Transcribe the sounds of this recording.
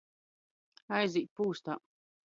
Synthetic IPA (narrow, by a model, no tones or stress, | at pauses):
ajziːt̪̚puːst̪a̰ː